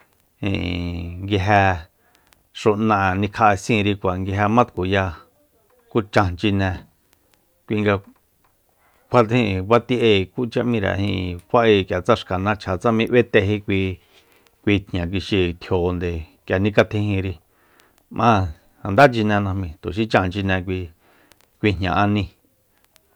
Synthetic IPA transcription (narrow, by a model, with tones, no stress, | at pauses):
hḭ̃˧˨ŋɡi˧ɦɛ˧ | ʂu˧nã˧˨nĩ˧kʰa˧sĩ˧ɾi˧kʷa˨ŋɡi˧ɦe˧mã˦t̪ku˨ja˧ | ku˦t͡ʃã˧nt͡ʃi˧nɛ̃˧ | kʷi˧ŋɡa˧ | kʷʰa˧t̪hĩ˧˨βa˦t̪i˦ʔe˧ku˦t͡ʃã˦ʔmĩ˧ɾa̰˨hḭ̃˧kʷa˦ʔi˧kja˨t͡sa˦ʂka˨nã˦t͡ʃʰa˨t͡sa˦mĩ˧ʔwe˦t̪e˧ɦi˦kʷi˧ | kʷi˧t̪ʰɲã˨k̬i˧ʃi˧t̪ʰjo˨˧nd̪e˨kja˨nĩ˧ka˧t̪ʰĩ˧hĩ˧ɾi˧ | mʔã˦ | a˨nd̪a˦t͡ʃi˧nɛ̃˧nã˧hmĩ˧t̪u˨ʃ̬i˦t͡ʃã˧˨nt͡ʃi˧nɛ̃˧k̬ʷi˧ | kʷi˧ɲ̥ɲã̰˨ʔa˧nĩ˧